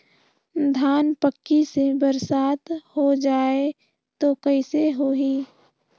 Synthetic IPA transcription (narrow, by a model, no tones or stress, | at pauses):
d̪ʱaːnpəkːisebəɾsaːt̪hod͡ʒaːe | t̪okəiseɦoːɦiː